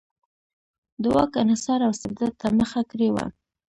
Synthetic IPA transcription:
d̪əwɑkanasɑɾawsɪbd̪ad̪̚t̪aməxakɾewa̰

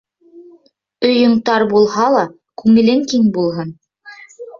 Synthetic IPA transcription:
ɵ̆jɤ̆ɴt̪ɑɾbulˠhɑlˠɑ | kʉŋɘ̆lɘŋkiŋbulˠɦɤn

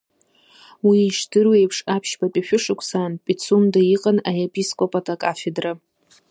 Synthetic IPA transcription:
wiʂdɨrwejpʰʂapʰʃbapʼiʃᶣʊʂɨkʷʰʼsanpʼit͡sʰumdaiqʼanaepʼiskʼopʼatʼakʼafedra

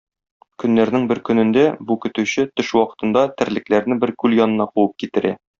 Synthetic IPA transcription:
kɵ̆nːæɾnɘŋbɘɾkɵ̆nɘ̆nd̪æbukɵ̆t̪ʉɕɘt̪ɵʃwɒqɤ̥̆t̪ɤ̆nd̪ɑt̪ɘ̆ɾlɘ̆klæɾnɘbɘɾkʉljɒnɤ̆nɑquwɤp̚kit̪ɘ̆ɾæ̰

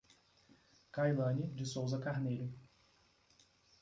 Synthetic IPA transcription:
kajlɐ̃nɪd͡ʒɪsowzɐkaɾneʎʊ

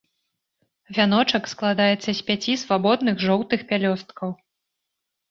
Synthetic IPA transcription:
vʲanɔt͡ʂɐksklˠad̪ajɛt̪sːɐsʲpʲat͡sʲisvabɔd̪nɨxʐɔwt̪ɨxpʲalʲɔst̪kɐw

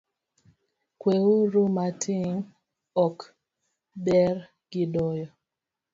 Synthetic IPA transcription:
kwewoɾomatʰɪŋ | ɔk | bɛɾ | ɡ̥ɪdɔjɔ

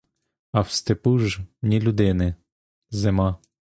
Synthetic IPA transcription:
ɐwst̪ɪpuʒmnʲilʲud̪ɪnɪ | zɪmɑ

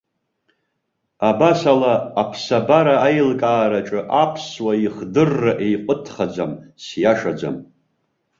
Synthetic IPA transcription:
abasalaːpʰsabaɾaːjlkʼaːɾaʈ͡ʂʼɨʔapʰswaiχdɨrːaʔejqʷʼətʰχad͡zamsjaʂad͡za̰m

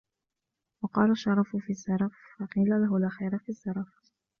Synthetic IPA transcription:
wɑqɑːlaʃːɑɾˤɑffizːɑɾˤɑffɑqiːlalaɦʊlʔaxiːɾafizˤːɑɾˤɑf

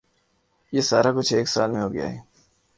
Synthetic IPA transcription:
jesaːɾakʊt͡ʃʰeːksaːlmẽɦoːɡɪja̰ːɦɛː

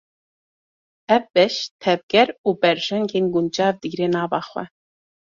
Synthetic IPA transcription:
ɛvbɛʃt̪ʰɛvɡɛɾuːbɛɾʒ̥ɛŋɡeːnɡund͡ʒɑːvd̪ɨɡɾeːnɑːvɑːxwɛ̰

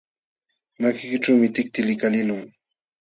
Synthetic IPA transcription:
makɪkɪʈ͡ʂawmɪt̪ɪk̚t̪ɪlɪkalɪlʊŋ

